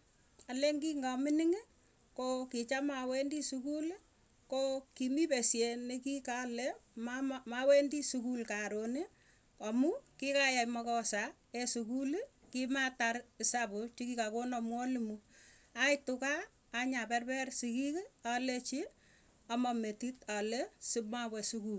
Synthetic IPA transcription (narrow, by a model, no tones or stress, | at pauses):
aleŋɡiŋɡamɪnɪŋ | kokit͡ʃamawendisukul | kokimipesjenekikalemmawendisukulkaɾoni | ɔmukikajajmɔkɔsa | esukulkimatarsapot͡ʃikikakonɔmwɔlimuaitʊkaː | ɲapɛrpɛrsikikalet͡ʃi | ɔmɔmetitalesimawɛsukul